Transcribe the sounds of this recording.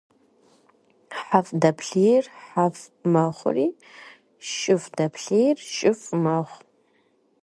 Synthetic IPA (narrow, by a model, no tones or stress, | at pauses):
ħafdɐpʰɬijrħafmɐχʷʊ̰riː | ʃʼɪfdɐpʰɬijrʃʼɪfmɐʁʷ